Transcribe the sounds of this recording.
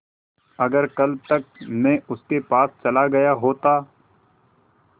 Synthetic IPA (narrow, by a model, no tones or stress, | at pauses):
ɐɡəɾkɐl̚t̪ɐk̚mẽʊskepaːst͡ʃɐlaɡɐjaɦoːt̪aː